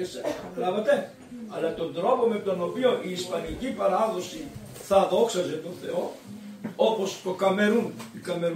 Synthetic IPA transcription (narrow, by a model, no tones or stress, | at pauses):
eselɐvɐt̪e | ɐlɐt̪o̞nd̪ɾo̞pome̞t̪o̞nopioniːspɐnicipɐɾɐðo̞si | θɐðoksɐzet̪oθe̞o | opost̪o̞kɐmeɾunikɐmeɾ